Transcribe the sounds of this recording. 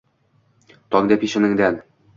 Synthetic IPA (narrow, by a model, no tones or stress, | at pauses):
t̪ɒŋd̪æpiɕɘ̆nɘ̆ŋd̪æn